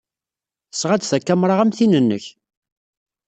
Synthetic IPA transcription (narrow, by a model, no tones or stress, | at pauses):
θə̥sʁæd̪θækːæmɾˤaʁæmθinənːə̰ç